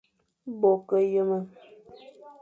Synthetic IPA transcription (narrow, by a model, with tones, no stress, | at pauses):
bɔ˨kə˨jə˦mə˦